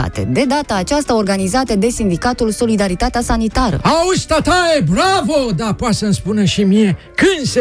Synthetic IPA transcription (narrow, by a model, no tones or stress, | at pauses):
a̰t̪e̞̰d̪e̞d̪at̪aːt͡ʃast̪ao̞rɡanizat̪əd̪e̞sind̪ikat̪ulso̞lid̪aɾit̪at̪easanit̪aɾə̰aust̪at̪aebɾavod̪apoat̪sənspuneʃimije̞ | kɨnse